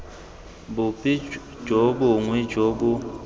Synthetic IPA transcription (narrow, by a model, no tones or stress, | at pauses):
bʊpʼi | d͡ʒobʊŋwid͡ʒobu